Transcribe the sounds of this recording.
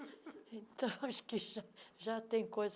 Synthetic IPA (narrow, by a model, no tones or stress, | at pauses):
ẽnt̪ɐ̃ʃkiʒaʒat̪ẽj̃kojz